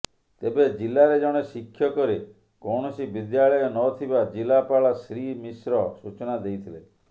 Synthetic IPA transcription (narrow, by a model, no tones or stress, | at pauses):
t̪ebed͡ʒilaɾed͡ʒɔɽ̃esikʰːjɔkɔɾi | kɔɽ̃ɔsibid̪jaɭɔjɔnɔt̪ʰibad͡ʒilapaɭasɾimisɾɔsut͡ʃɔnad̪ejt̪ʰile